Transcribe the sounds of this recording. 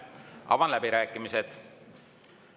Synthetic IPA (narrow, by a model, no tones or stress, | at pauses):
ʔɑ̰vɑnlæbiɾæːkːˑimise̞d̪̥